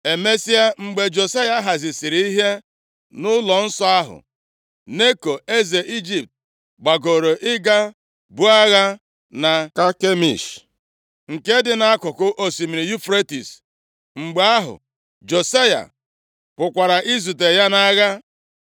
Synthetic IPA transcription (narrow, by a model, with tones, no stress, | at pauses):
e˨me˦si˦a˦ŋ͡m̩˨ɡ͡be˨d͡ʒo˨sa˦ja˦ɦa˨zɪ˨si˨ɾi˦i˦ɦe˦ | nʊ˦lɔ˨n̩˦sɔ˦a˦ɦʊ̰˨ | ne˦ko˨e˦ze˨ʔi˦d͡ʒi˨p̚t̚ | ɡ͡ba˨ɡo˨ɾo˨ʔɪ˦ɡa˦ | bʊ˦a˦ɣa˦ | na˨ka˦ke˦mḭ˨ʃ | ŋ̩˨ke˦dɪ˦na˦a˦kʊ˨kʊ˦ʔo˨si˨mi˨ɾi˨ju˦fɾe˦ti˨s | ŋ͡m̩˨ɡ͡be˨a˦ɦʊ̰˨ | d͡ʒo˨sa˦ja̰˨ | pʊ˨kʷa˨ɾa˨ʔi˦zu˨t̬e˨ja˦na˦ɣa˦